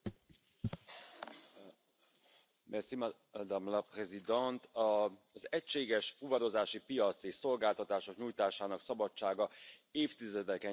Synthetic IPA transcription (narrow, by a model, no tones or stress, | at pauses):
mɛsim | d̪amlɒprɛzid̪ɛnt̪ɒzɛcʃeːɡɛʃfuvɒɾo̞zaːʃipijɒt̪seːʃso̞lɡaːlt̪ɒt̪aːʃo̞kɲuːjt̪aːʃaːnɒksɒbɒt͡ʃt͡ʃːaːɡɒeːft̪izɛd̪ɛkɛ